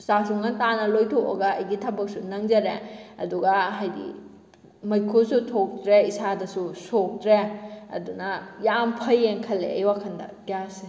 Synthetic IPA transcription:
sasuŋɐntanɐlojtʰoɐ̰ɡɐɐjɡitʰɐbɐk̚sunɐŋd͡ʒɐɾeɐduɡɐɦajɡḭ | mɐjkʰusutʰok̚dɾeisadɐsusok̚dɾeɐ̰dunɐjampʰɐjːeŋkʰɐlːḛɐ̰jwakʰɐndɐ̰ɡjase

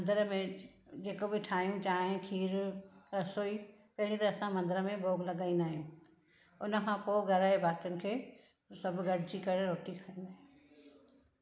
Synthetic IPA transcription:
mɐ̃nd̪əɾəmẽ | d͡ʑeːkobɪʈʰaːɦijũt͡ɕaːɦẽkʰiːɾɾɐsoːi | pɐɦɪɽit̪ɐːsãmɐ̃nd̪əɾəmẽbʱoːɡlɐɠaːĩnaːɦijũ | ʊnə̆kʰãpoːɡʱɐɾaːebʱaːɾt̪jʊnɪ̆kʰeː | sɐbʱɡɐɽ̤ʱɪd͡ʑikɐɾeɾoːʈikʰɐĩnd̪aːɦ

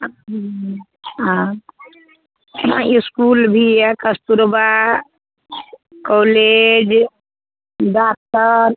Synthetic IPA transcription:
ɦã | iskulbʱiɛkəst̪uɾba | koled͡ʒ | ɖak̚t̪əɾ

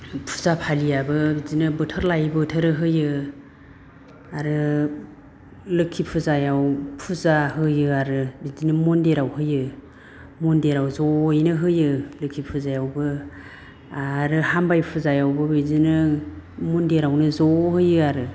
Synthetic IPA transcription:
pʰu̥zapʰalijabɯbizinɯbɯtʰɯɾlajbɯtʰəɾɯɦɯjɯ | aɾɯ | lɯkʰipʰuzajawpʰuzaɦɯjɯaɾɯbizinɯmɔndeɾawɦɯjɯ | mɔndeɾawzɔjnɯɦɯjɯlɯkʰipʰuzajawbɯ | aɾɯhambajpʰuzajawbɯbizinɯmɔndeɾawnɯzɔhɯjɯaɾɯ

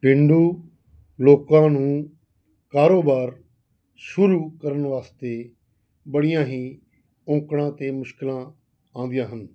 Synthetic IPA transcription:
pɪɳɖuː | loːkãːnũː | kaːɾoːbaːɾ | sʊɾuːkəɾəɳʋaːst̪eː | bəɽɪjãːɦiː | õːkɽãːt̪eːmʊʃkɪlãː | ãːnd̪ɪjãːɦən

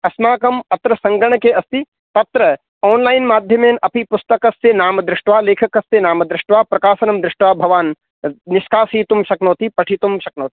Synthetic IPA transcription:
ɐsmaːkɐmɐt̪ɾɐsɐ̃ŋɡɐɳ̃keɐst̪i | t̪ɐt̪ɾɐ | ɔːnlaːɪnmaːd̪ʱjɐmeːnʔɐpipʊst̪ɐkɐsenaːmɐd̪ɾɪʂʈʋaːleːkʰɐkɐst̪eːnaːmɐd̪ɾɪʂʈʋaːpɾɐkaːsɐnɐmd̪ɾɪʂʈʋaːbʱɐʋaːn | nɪʃkaːsiːt̪umʃɐknoːt̪ipɐʈʰit̪umʃɐk̚noːt̪i̥

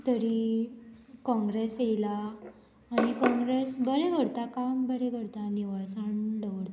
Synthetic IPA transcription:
t̪əɾi | kɔ̃ŋɡɾesejlaː | ɽ̃ikɔ̃ŋɡɾesbəɽeɡʱəɽt̪akambəɽeɡʱəɽt̪aniʋəɭsaɳɖəʋɽ

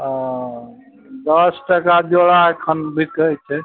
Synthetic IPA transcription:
d̪ʌsʈəkad͡ʒoɽaekʰənbʱit̪ət͡ʃʰɛ

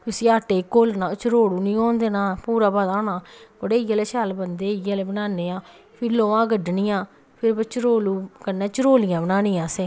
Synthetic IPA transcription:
t̪ʊsiːaːʈeːkːoːlnãːt͡ʃɾoːɽuːnĩːõːnd̪eːnaːpuːɾaːbaːd̪aːnaːkoɽeːɪjaːleːt͡ʃaːlbənd̪eːɪjaleːbənaːneːãː | pʰɪɾloːãːɡəɖnĩːjãː | pʰɪɾbət͡ʃɾoːluːkənãːt͡ʃəɾoːlɪjãːbənaːnĩːãːseː

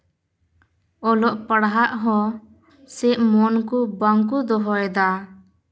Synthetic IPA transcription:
ɔlɔʔpəɽɦaʔɦɔ̃ | sɛʔmɔnkubəŋk̬ud̪ɔɦɔɛd̪a

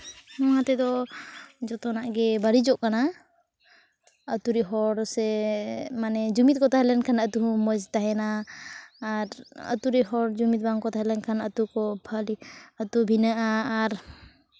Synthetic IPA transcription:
nɔãt̪ɛd̪ɔ | d͡ʒɔt̪ɔnaʔɡɛbaɽid͡ʒɔʔkana | ət̪uɾiɦɔɾsɛmanɛd͡ʒumit̪̚kɔt̪aɦɛlɛnkʰanət̪uɦumɔd͡ʒt̪aɦɛnaː | ɾə̰t̪uɾɛɦɔɾd͡ʒumit̪̚baŋkɔt̪aɦɛlɛnkʰanət̪ukɔbʰʱaliət̪ubʱinəʔaːɾ

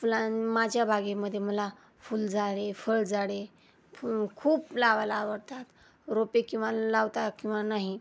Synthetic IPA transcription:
flamad͡ʑʱjabʱaɡeməd̪ʱːjeməla | fuːld͡zaɽefəɭd͡zaɽe | kʰuːplaʋalaːʋəɽt̪at̪ | ɾopekĩw̃ʋalaʋt̪akĩw̃ʋanaɦi

